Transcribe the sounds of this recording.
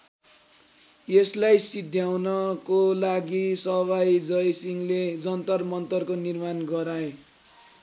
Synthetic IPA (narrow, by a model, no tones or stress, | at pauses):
jeslajsid̪ʱjawnʌkolaɡisʌbajd͡zʌjsiŋled͡zʌnt̪ʌrmʌnt̪ʌrkonirmanɡʌɾae